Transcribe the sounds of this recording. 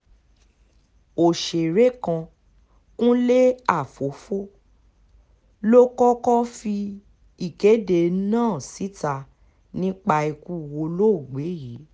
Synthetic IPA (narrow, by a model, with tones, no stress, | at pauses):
o˨ʃe˨ɾe˦kã˧ | kũ˦le˦a˦˨fo˨˦fo˦ | lo˦kɔ˦kɔ˦fi˧ | i˦˨ke˨˦de˧˨˦nãː˦˨si˨˦ta˧˨ | nĩ˦k͡pa˧i˧ku˦wo˧lo˦˨ɡ͡be˨˦ji˨˦